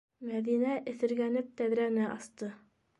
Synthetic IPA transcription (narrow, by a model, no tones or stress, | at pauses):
mæðinæʔɘ̆θɘ̆ɾɡænɘp̚t̪æðɾænɘʔɑ̰st̪ɤ